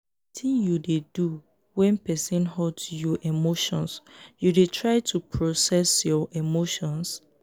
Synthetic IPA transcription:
tʰĩnjudedu | wɛ̃npɛsɛ̃nɦɔtjɔʔimoʃɔ̃nsjudetʰɹaɪtʰupʰɹosɛsjɔʔimoʃɔ̃ns

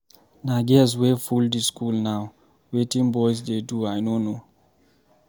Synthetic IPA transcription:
naɡɛs̬wefuldiskulnaw | wetĩŋbɔjs̬deduajnono

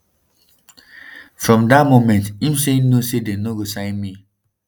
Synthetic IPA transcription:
fɹɔ̃mdat̚momɛ̃ntĩmseinosedenoɡosãɪ̃nmi

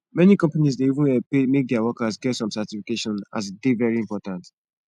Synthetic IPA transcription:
mɛnikɔ̃mpanizdeivũnpemek̚dɛawɔkasɡɛtsɔ̃msɛtifikeʃɔ̃nazdevɛɹiĩmpɔtãnt

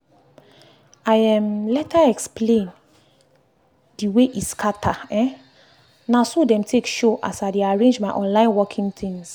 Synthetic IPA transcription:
aɪɛ̃mlɛtʰaɛksplẽn | d̥iweʔiskʰatʰaɛ̃ | nãsodɛ̃mtʰekʃoʔa̰saɪdeaɹẽnd͡ʒmaɪʔɔ̃nlãɪ̃nwɔkʰĩŋt̪ʰĩŋs

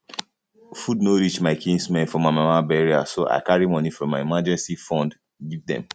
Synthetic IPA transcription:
fudnoɹit͡ʃmaɪkʰĩnsmɛ̃nfɔmamamabɛɹia̰soʔa̰ɪkaɹimɔ̃nifɹɔ̃mːaɪimad͡ʒɛ̃nsifɔ̃nd | ɡivdɛ̰̃m

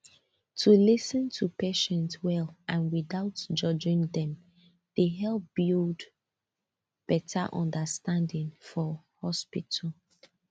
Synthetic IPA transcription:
tʰulisə̃ntʰupeʃɛ̃ntswɛlʔãnwiðaʊtd͡ʒɔd͡ʒɪ̃ŋðɛ̃m | d̥eɦɛlˠp̚b̥ild | b̥ɛtʰa̰ʔɔ̰̃ndəstãndɪ̃ŋfɔ | hɔspitʰəl

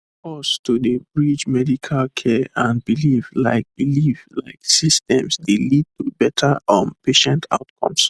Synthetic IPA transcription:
fɔstudebɹid͡ʒmɛdikʰalkʰɛʔãnbilifla̰ɪk̚b̥ilifla̰ɪksistɛ̃msdelid̚tubɛtʰəʔɔ̃npeʃɛ̃ntʰa̰ʊtkʰɔ̰̃ms

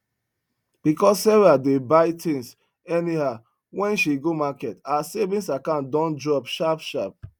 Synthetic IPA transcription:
b̥ikɔsːɛɹadebaɪtʰĩŋs | ɛniha | wɛ̃nʃiɡomakɛtasevĩsakãndɔ̃ndɹɔbʃapʃap̚

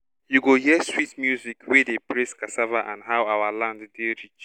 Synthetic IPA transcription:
juɡoɦiəswitmjuzikwedepɹeskasavaʔãnɦawawalãnddiɹit͡ʃ

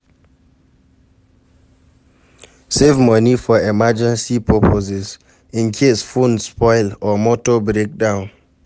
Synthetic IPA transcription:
sevmɔnifɔɛmad͡ʒɛ̃nsipʰɔpʰozɛz | ĩnkʰesfõnspɔɪlɔmɔtobɹek̚dãʊ̃n

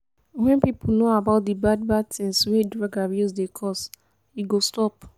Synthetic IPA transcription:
wɛ̃npip̩noabaʊt̚dibad̚bad̚tĩŋswedɹaɡaɹjuzdekʰɔs | iɡostɔp

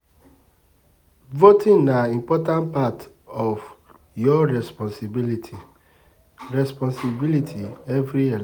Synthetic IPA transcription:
votĩnnaĩmpɔtãnpat | ɔf | jɔɹɛspɔ̃nsibilitʰi | ɹɛspɔ̃nsibilitʰiɛvɾiɛ

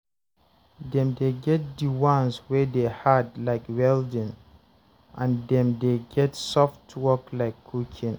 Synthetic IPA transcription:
dɛ̃mdeɡɛt̚diwãnswedehadlaɪkwɛldĩn | ʔãndɛ̃mdeɡɛtsɔftʰwɔklaɪkʰːukʰĩn

